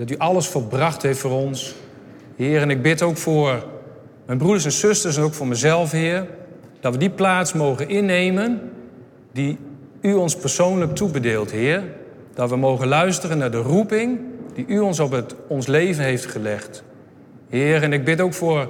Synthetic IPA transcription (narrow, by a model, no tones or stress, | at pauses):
d̥ɑtyʔɑləsfolˠbrɑχtheftfoːɾɔns | hɪːərɛnɪɡ̚bɪtowkfʊːɹ | mɛjnbrudəɹs̬ɛnsɵstəɹsɛnowkfʊːɹmɛzɛlˠfɦɪːr | d̥ɑtʋədiplaːtsmowɣənɪnːejmən | di | yɔnspərsownlək̚tʰubədɪːlˠtɦɪːr | d̥ɑtʋəmowɣənlœɥstərənːaɹdərupɪŋdiʔyɔnsɔpəɔnslejvənɦejftχəlɛχt | hɪːərɛnɪɡ̚bɪtowkfʊːr